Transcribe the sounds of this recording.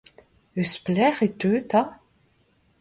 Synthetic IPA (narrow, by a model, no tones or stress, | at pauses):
əsplɛʁet̪øːt̪a